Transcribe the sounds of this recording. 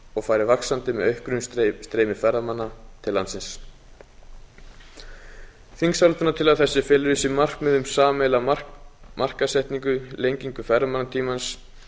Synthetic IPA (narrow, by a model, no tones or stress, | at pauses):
ɔɣfaːjɾɪvaksant̪ɪmɛðœɥhkɾʏmsst̪ɾejmɪfɛrːamanːat̪ʰɪlːansɪns | θiŋksawlt̪ʏnat̪ʰɪlaðθɛsːɪfɛːlʏɾʏsɪmar̥kmɛðʏmsaːmɛla | mar̥kasɛht̪niŋkʏlejɲciŋkʏfɛramanːat̪ʰiːmans